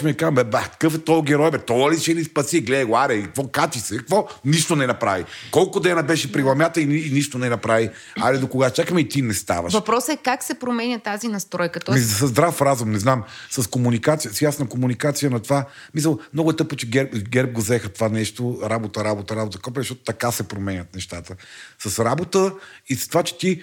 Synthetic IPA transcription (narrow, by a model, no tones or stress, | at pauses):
miɛkazəmbɛbaxk̪ɐ̥kɤfɛt̪ɔɡʲɛɾɔjbɛt̪ɔɐlit͡ʃɛnispɐsiɡlɛd̪ɡoaɾɛk̪vɔkat͡ʃ̪isɛkvɔniʃt̪onɛnɐpɾavikɔlˠkʊd̪ɛnɐbɛʃɛpɾiɡlˠɐmʲjat̪əinːniʃt̪onɛnɐpɾavi | alid̪okoɡat͡ʃakəmɛit̪inɛst̪a̰vɐ̰ʃvɐpɾɔsɛkaksɛpɾomɛnʲɐt̪azinɐst̪ɾɔjkət̪isɐzd̪ɾafɾazumnɛznamsɐskomunikat̪sijəsjasnəkomunikat̪sijənɐt̪ova | mis̬əlˠmnɔɡʊɛt̪ɤp̚kot͡ʃɛɡɛɾpɡʲɛɾp̚ɡozɛxət̪ovanɛʃt̪oɾabot̪əɾabot̪əɾabot̪əkɔp̬izɐʃtɔt̪o̥t̪ɐkasɛpɾomɛnʲɐt̪̚nɛʃt̪at̪əsɐsɾabot̪əisɐst̪ovat͡ʃɛ̥t̪i